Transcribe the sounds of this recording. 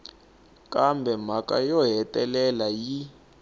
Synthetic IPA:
kʼambʱɛm̤akʼa̰jɔɦɛtʼɛlɛlaji

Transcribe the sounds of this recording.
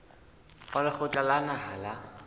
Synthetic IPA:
χalɪχʊt͡ɬʼalanahala

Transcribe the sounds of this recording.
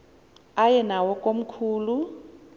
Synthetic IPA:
ajɛnawɔkʼom̩kʰuːlu

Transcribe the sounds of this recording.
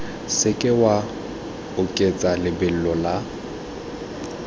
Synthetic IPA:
sɪkʼɪwa | ʊkʼet͡sʼalɪbɪl̩lɔla

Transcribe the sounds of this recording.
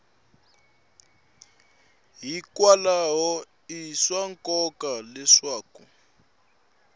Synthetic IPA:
ɦikwalaɦɔ | iswaŋkʼɔkʼalɛʂwaːku

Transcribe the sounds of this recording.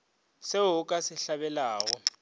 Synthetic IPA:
seʊʊkʼasɪɬaβɛlaːɣɔ

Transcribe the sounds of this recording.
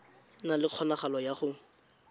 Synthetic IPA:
nalɪq͡χʰɔnaχalɔjaχʊ

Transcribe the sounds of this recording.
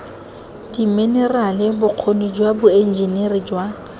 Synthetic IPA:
d̥imenɛralɪbʊq͡χʰonʊd͡ʒwabʊen̩d͡ʒinerid͡ʒwa

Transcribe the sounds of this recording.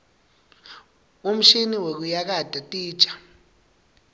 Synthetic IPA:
um̩ʃiniwek̬ujak̬ad̥ʱʼatʼi̥ːt͡ʃʼḁ

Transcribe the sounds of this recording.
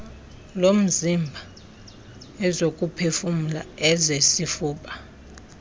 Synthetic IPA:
lom̩zimbʱa | ɛzokʼupʰefum̩la̰ɛzesifuːɓʼa

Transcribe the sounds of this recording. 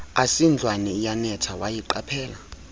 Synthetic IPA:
asind͡ɮʱwanɛijanɛtʰawajiǃapʰɛːla

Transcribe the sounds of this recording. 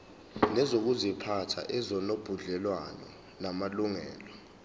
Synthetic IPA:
nɛzok̬uzipʰatʰa̰ʔɛzɔnob̥ʱuɮɛlwanɔ̰ | namaluŋɛ̰ːlɔ

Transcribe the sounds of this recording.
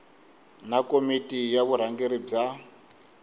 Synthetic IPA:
nakomitijaβuɾ̤aŋɡiɾib͡ʐa

